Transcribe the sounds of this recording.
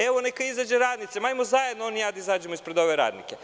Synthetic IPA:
eʋonekaizad͡ʑeɾaːd̪nit̪semaːjmozajed̪noo̞nijaːd̪aizaːd͡ʒemoispɾed̪o̞ʋe̞ɾa̰ːd̪nḭke

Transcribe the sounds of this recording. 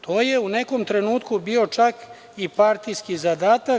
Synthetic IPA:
t̪ʰoːjeunekomt̪ɾe̞nuːt̪kubiːo̞t͡ʃak | ipaɾt̪ijskizad̪aːt̪a

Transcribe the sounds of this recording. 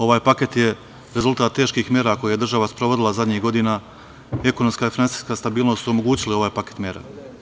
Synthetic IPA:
o̞ʋaːjpake̞t̪je̞ | ɾe̞zulˠt̪aːt̪ːe̞ːʃkixmʲjeːɾako̞jeje̞d̪r̩ʒaʋaspɾoʋo̞d̪ilˠazad̪ɲiɣɡo̞d̪ina | e̞ko̞nomskaifinansi̥jskast̪abiːlˠnost̪uo̞mo̞ɡuːt͡ɕilio̞ʋaːjpake̞̥t̪mjeːɾa̰

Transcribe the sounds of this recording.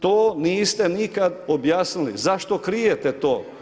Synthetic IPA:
t̪oːniːst̪e̞nikad̪objaːsnilḭzaʃt̪o̞kɾijet̪et̪oː

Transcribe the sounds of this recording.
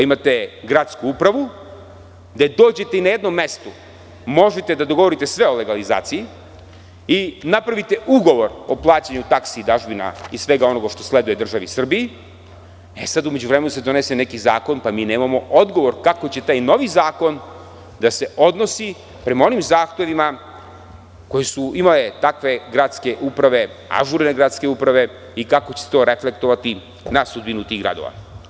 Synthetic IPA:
imat̪e̞ɡɾat̪skuupɾaʋu | d̪ed̪o̞ːd͡ʑe̞t̪e̞inaje̞d̪nomːe̞st̪u | mo̞ʒet̪e̞d̪ad̪o̞ɡo̞ʋo̞ɾit̪esʋe̞o̞le̞ɡaliza̰ːt̪siji | inapɾaʋit̪e̞ʔuɡo̞ʋo̞ɾo̞plˠaːt͡ɕaɲut̪aksiːd̪aʒbina̰isʋe̞ɡao̞no̞ɡaʃt̪o̞sle̞d̪ujed̪r̩ʒaʋisr̩biji | esad̪ume̞d͡ʑuʋɾeme̞nuse̞d̪o̞ne̞se̞ne̞kizaːko̞npamiːne̞ːmamo̞o̞d̪ɡo̞ʋo̞ɾkakot͡ɕe̞t̪aːjno̞ʋizaːko̞n | d̪ase̞ʔo̞d̪no̞si | pɾe̞mao̞nimzaːxt̪e̞ʋima | ko̞jesuimale̞t̪akʋe̞ɡɾad̪ske̞ʔupɾaʋe̞ | a̰ʒuɾneɡɾat̪ske̞upɾaʋe̞ | ikakot͡ɕese̥t̪o̞ːɾe̞fle̞k̚t̪o̞ʋat̪i | nasud̪binut̪iɣɡɾa̰d̪o̞̰ʋa̰

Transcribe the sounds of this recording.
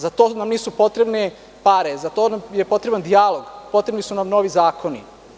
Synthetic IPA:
zat̪onamniːsupo̞t̪ɾe̞bne | paɾezat̪oːnamjepo̞t̪ɾeband̪ijalˠo̞ɡpo̞t̪ɾebnisunamno̞ʋizaːko̞ni

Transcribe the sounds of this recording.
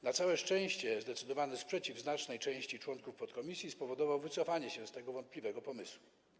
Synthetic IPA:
nat̪sawɛʂt͡ʂɛ̃w̃ɕt͡ɕɛzd̪ɛt̪sɘd̪ɔvanɛspʂɛt͡ɕivznat͡ʂnɛjt͡ʂɛ̃w̃ɕt͡ɕit͡ʂwɔŋkufpɔt̪kɔmʲisʲjispɔvɔd̪ɔvawvɘt̪sɔfaɲɛɕɛst̪ɛɡɔvɔnt̪̚plʲivɛɡɔpɔmɘswu

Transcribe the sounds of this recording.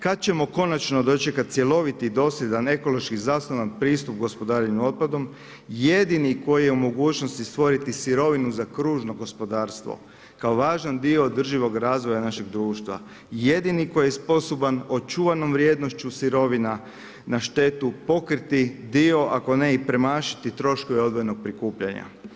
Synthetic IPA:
kad̪̚t͡ɕe̞mo̞ko̞nat͡ʃno̞d̪o̞t͡ʃekat̪̚sje̞lo̞ʋit̪id̪o̞slʎed̪ane̞ko̞lˠo̞ʃkizaːsnoʋanpɾiːst̪up̚ɡo̞spo̞d̪aːɾeɲuo̞t̪̚pad̪o̞m | je̞d̪iniko̞jijeumo̞ɡuːt͡ʃno̞st̪ist̪ʋo̞ɾit̪isiɾo̞ʋinuzakɾuːʒno̞ɡo̞spo̞d̪aːɾst̪ʋo̞̰ | kaoʋaːʒand̪io̞ːd̪r̩ʒiʋo̞ɡɾaːzʋojanaʃe̞ɡd̪ɾuːʃt̪ʋa̰ | je̞d̪iniko̞jjespo̞so̞bano̞t͡ʃuʋano̞mʋɾjed̪no̞ʃt͡ɕusiɾo̞ʋina | naʃt̪e̞t̪upo̞kɾit̪id̪io̞ʔako̞neipɾe̞maːʃi̥t̪it̪ɾo̞ʃko̞ʋeo̞d̪ʋojeno̞ɡ̚pɾikuːpʎaɲa̰

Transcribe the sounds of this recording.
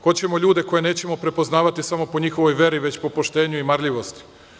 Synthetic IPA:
xo̞t͡ɕe̞mo̞ʎuːd̪e̞ko̞je̞ne̞ːt͡ɕe̞mo̞pɾe̞po̞znaːʋat̪isamo̞po̞ɲixo̞ʋo̞jʋe̞ɾiʋe̞t͡ɕpo̞po̞ʃt̪e̞ːɲuimaɾʎʲiʋo̞st̪i̥

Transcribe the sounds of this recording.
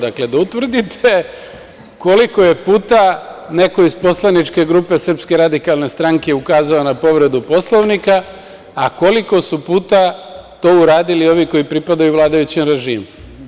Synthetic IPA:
d̪akle̞d̪aut̪ʋr̩d̪it̪ʰe̞ | ko̞liko̞je̞puːt̪ane̞ko̞ispo̞slˠanit͡ʃke̞ɡɾupe̞sr̩pske̞ɾad̪ikalˠne̞st̪ɾaŋkeukaːzaonapo̞ʋɾe̞d̪upo̞slˠo̞ʋnikaː | ko̞liko̞supuːt̪at̪o̞ːuɾaːd̪ilio̞ʋiko̞jipɾipad̪ajuʋlˠaːd̪ajut͡ɕinɾe̞ʒiːm

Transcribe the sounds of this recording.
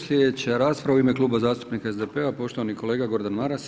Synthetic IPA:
slʲjed̪et͡ɕaɾaːspɾaʋuime̞klˠuːbazaːst̪upnikaezd̪epeapo̞ʃt̪oʋanikʰo̞leːɡaɡo̞ɾd̪anmaɾas

